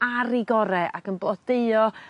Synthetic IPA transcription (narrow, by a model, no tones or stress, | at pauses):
aɾiɡɔɾɛʔa̰kənblˠɔd̥eɨɔ